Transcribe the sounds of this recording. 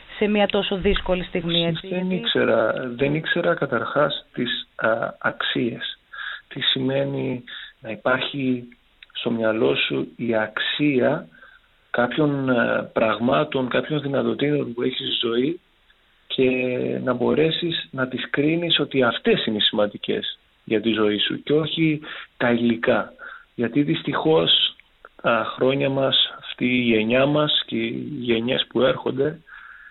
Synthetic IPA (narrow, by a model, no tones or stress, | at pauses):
semɐt̪o̞so̞ðisko̞list̪iɣmieenikse̞ɾɐðe̞nikse̞ɾɐkɐt̪ɐɾxɐst̪isɐksie̞st̪isime̞ninɐipɐɾçi | st̪o̞mɲɐlo̞suiɐksiɐ | kɐpço̞npɾɐɣmɐt̪o̞ŋkɐpço̞nðinɐt̪o̞t̪inonpue̞çizzo̞i | cʰe̞nɐbo̞ɾe̞sisnɐt̪iskɾiniso̞t̪iɐft̪e̞sinesimɐnd̪ice̞̰s | ʝɐt̪izo̞isṵceo̞çit̪ɐilikɐʝɐt̪iðist̪ixo̞s | t̪ɐxɾo̞ɲɐmɐsɐft̪iːʝe̞ɲɐmɐsceʝe̞ɲe̞spue̞ɾxo̞̰nd̪e̞